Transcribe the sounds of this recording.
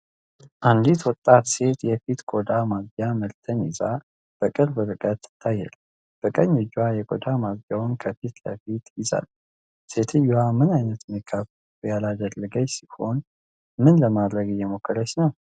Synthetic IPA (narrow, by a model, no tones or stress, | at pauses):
ʔand̪it̪wɔt̪ʼːat̪se̞t̪jɛfit̪ɡʼod̪amaɡjaməlt̪ʰənɪza | b̥əkʼɨɾbɨɾɨkʼət̪ːt̪ʰːajːɛ̰l | b̥əkʼəɲːɪd͡ʒajɛkʼod̪amazjawnkʰəfit̪lə̰fit̪jɪza̰l | se̞t̪ʰɨjːuwamɨnajnət̪mikʰːafə | ujalad̪əlːəɡəɲsiho̞n | mɨnləmad̪ɾəɡɨjɛmokʰːəɾəsnəw